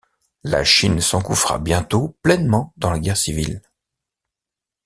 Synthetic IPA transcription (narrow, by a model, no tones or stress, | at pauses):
la̰ʃinsɑ̃kufʁa̰bjɛ̃t̪oplɛnmɑ̃d̪ɑ̃laɡʲɛʁsivil